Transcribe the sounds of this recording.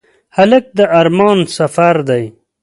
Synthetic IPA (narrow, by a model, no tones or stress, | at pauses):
halək̚d̪əaɾmɑːnsafaɾd̪aj